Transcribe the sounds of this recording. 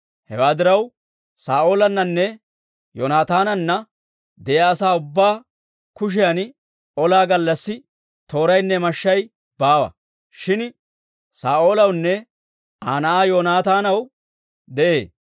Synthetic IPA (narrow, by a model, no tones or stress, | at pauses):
hɛwaːd̪ɪɾɐw | saːʔo̞ːlɐnːɐnːɛ | jo̰naːt̪aːnɐnːɐ | d̪ɛʔjɐːsaːʊbːaː | kʊʃ̬ɪjɐn | ɔlaːɡɐlːɐsːɪ | t̪o̞ːɾɐjnːɛmɐʃːɐj | b̥aːwɐ̰ | ʃɪn | saːʔo̞ːlɐwnːɛ | aːnɐʔaːjoːnaːt̪aːnɐw | d̪ɛʔeː